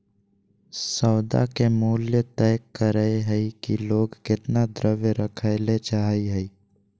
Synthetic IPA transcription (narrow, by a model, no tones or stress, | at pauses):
sɔːd̪a̰kemuːljət̪ɛːkːəɾəeɦɛikiloːɡkɪt̪nad̪ɾəʋjəɾəkʰaɪlet͡ʃaɦiɦɛi